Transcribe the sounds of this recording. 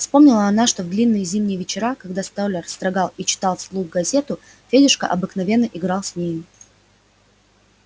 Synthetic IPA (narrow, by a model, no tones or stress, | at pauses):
fspo̞mnʲɪlˠəɐnaʂt̪ovd̪lʲinːɨjəzʲimnʲɪjvʲɪt͡ɕɪɾakɐɡd̪ast̪olʲərst̪ɾɐɡɑlˠit͡ɕɪ̥t̪ɑlˠfslˠuxɡɐzʲe̞t̪ʊ | fʲedʲɪʂkə̰ʔɐbɨknɐvʲe̞nːəʔɪɡɾɑlˠsʲnʲejʊ